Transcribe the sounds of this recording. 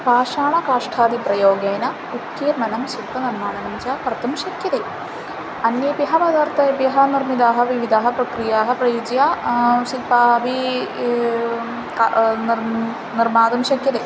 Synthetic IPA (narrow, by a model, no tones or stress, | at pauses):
paːʃaːɳɐkaːʂʈʰaːd̪ipɾɐjoːɡeːnɐ | ut̪kiːɾɳɐnɐmʃit̪ːɐniɾmaːɳɐnɐmt͡ʃaːkɐɾt̪ɐmʃɐkʰjɐt̪eː | ɐnjeːpjɐɦɐpɐd̪aːɾt̪ʰɐpjɐɦɐniɾmid̪aːɦɐ̆ʋiʋid̪ʱaːɦɐpɾɐkɾijaːɦɐpɾɐjud͡ʒjaːʃipabi | kn | niɾmaːd̪ɐmʃɐkjɐd̪eː